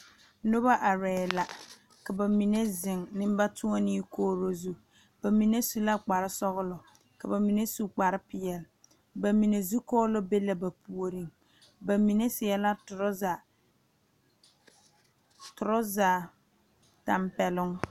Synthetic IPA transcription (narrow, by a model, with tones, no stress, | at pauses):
nʊ˦ba˦ʔa˨ɾɛː˨la˨ | ka˨ba˨mi˨ne˦zɪ˨ŋnɪ˦m˦ba˦tʰʊ˦ɔ˦niː˦koː˦ɾo˦zu˦ | b̥a˨mi˨ne˦su˦la˦k͡pa˨ɾɪ˦sɔ˦ɣʊ˦lɔ˨ | ka˨ba˨mi˨ne˦su˦k͡pa˨ɾɪ˦pɪ˨jɛ˨lɪ˨ | ba˨mi˨ne˨zu˦kɔː˦lɔ˦be˦la˨ba˨pʰu˨o˨ɾi˨ŋ | ba˨mi˨ne˦sɪ˨ɛ˨la˦tʊ˨ɾza˨ | tʊ˨ɾɔ˦zaː˨ | ta˨mpɛ˨lʊ˦ŋ